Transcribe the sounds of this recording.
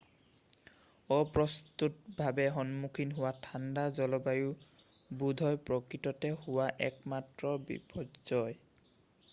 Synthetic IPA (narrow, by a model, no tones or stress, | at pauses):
ɔpɹɔst̪utbʱabɛɦɔnmukʰinɦʊwatʰandazɔlɔbaju | budʱɔjpɹɔkɹitɔtɛhʊwaʔɛ̰kmatɹɔbḭpʰɔdzɔj